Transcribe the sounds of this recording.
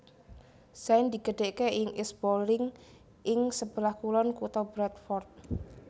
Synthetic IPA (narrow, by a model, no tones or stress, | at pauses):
saɪnd̪iɡ̥ə̤ɖ̥eʔkeɪŋɪsb̥olɪŋ | ʔɪŋsəb̥əlahkulɔnkut̪ɔbɾat̪̚fɔrt̪̚